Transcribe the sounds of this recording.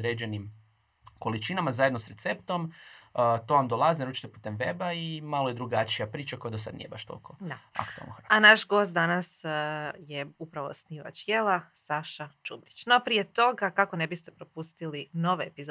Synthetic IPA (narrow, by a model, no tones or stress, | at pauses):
ɾeːd͡ʒenim | ko̞lit͡ʃinamazajed̪nosɾet̪se̞pt̪o̞m | t̪oʋamd̪olˠazinɾuːt͡ʃi̥t̪epu̥ːt̪e̞mʋe̞baimalojed̪ɾuɡat͡ʃijapɾiːt͡ʃakojed̪os̬a̰d̪nḭjebaʃt̪o̰lˠkod̪aa̰kkt̪ua̰lnoxaanaʃɡo̞st̪̚d̪anasjeupɾaʋo̰sniʋa̰t͡ɕjelˠasaʃat͡ʃubɾit͡ɕnopɾije̞t̪o̞ɡakako̞ne̞bist̪e̞pɾopust̪ilino̞ʋeepiz